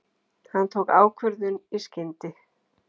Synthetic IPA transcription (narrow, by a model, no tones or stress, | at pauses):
hant̪ʰoːwkaːwkʰvʏɾðʏniscɪnt̪ɪ